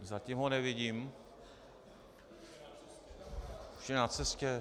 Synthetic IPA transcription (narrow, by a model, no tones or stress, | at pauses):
zacimɦonɛvɪɟiːm | ʃɛnat͡sɛscɛ